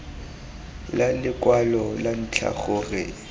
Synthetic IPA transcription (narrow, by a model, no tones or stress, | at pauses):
lalɪkʼwalɔlan̩t͡ɬʰa̰χʊːrɪ